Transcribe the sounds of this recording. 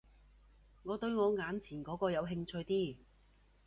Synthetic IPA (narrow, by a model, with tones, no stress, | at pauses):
ŋɔː˨˧t̪ɵ˧ɥŋɔː˨˧ŋaː˨˥nt͡sʰiː˨˩nkɔː˨˥kɔː˧jɐ˨˧wɦɪ˧ŋt͡sʰɵ˧ɥjt̪iː˥˩